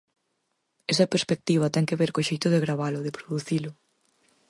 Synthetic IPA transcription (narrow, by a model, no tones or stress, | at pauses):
ɛst̪ɐpeɾspek̚t̪iβ̞ɐt̪ɛŋkeβeɾkoʃejt̪ʊðɪɣɾaβalʊðɪpɾoðuθilʊ